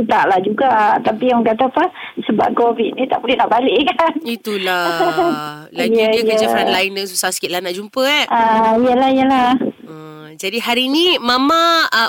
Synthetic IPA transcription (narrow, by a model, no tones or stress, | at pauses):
ut̪a̰ʔlahd͡ʒuɡat̪apiaɔŋkat̪apəsəba̰p̚kovit̪̚nit̪aʔpulɛnaʔbalɪʔkanit̪ula | lajəjəd͡ʒafɾɛlajnəsusasə̥kit̪̚lahnaʔd͡ʒumpəaʔaijəlaijəlah | d͡ʒadiɦaɾinimamã